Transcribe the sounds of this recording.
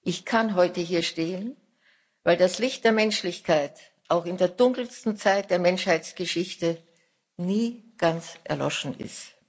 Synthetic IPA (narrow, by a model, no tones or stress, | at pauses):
ʔɪçkʰanɦɔʏtəɦiːɐʃteːən | vaɪldaslɪçt̚d̥eːɐmɛnʃlɪçkʰaɪt | ʔaʊxɪndeːɐdʊŋkl̩stn̩t͡saɪt̚d̥eːɐmɛnʃhaɪt͡sɡ̥əʃɪçtə | niːɡ̥ant͡sʔɛ̰ɐlɔ̰ʃn̩ʔɪ̰st